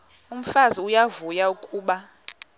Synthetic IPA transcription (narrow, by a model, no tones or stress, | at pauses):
um̩faziujavujaukʼuːɓa